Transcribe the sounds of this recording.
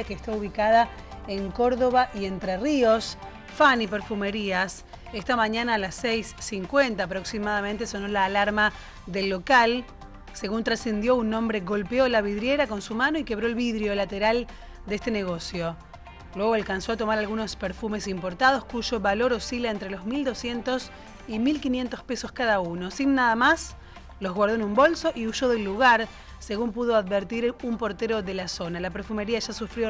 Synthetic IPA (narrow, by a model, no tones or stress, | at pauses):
akeːst̪aβuβ̞ikað̞a | eŋko̞ɾðo̞βaʔie̞nt̪ɾerio̞s | fanipeɾfume̞ɾias | est̪amaɲanaːlasːejsːiŋkwe̞nt̪aːpɾo̞ksimaðament̪esono̞laːlaɾma | ðelːo̞kal | se̞ɣunt̪ɾase̞nd̪jo̞unːõmbɾeɣo̞lpeo̞laβiðɾje̞ɾako̞nsumano̞ike̞βɾoelβiðɾjo̞lat̪eɾal | d̪eest̪eneɣo̞sjo̞ | lweɣ̞o̞alkanso̞at̪o̞maɾalɣuno̞speɾfume̞simpo̞ɾt̪að̞o̞skuʒo̞βalo̞ɾo̞silaent̪ɾelo̞zmild̪o̞sje̞nt̪o̞s | imilkinje̞nt̪o̞speso̞skaðauno̞sinːaðamas | lo̞zɣwaɾðoenũmbo̞lso̞ʔiuʃo̞ðe̞lːuɣaɾ | seɣumpuð̞o̞aðβeɾt̪iɾumpo̞ɾt̪eɾo̞ðe̞laso̞nalapeɾfume̞ɾiaʒasufɾjo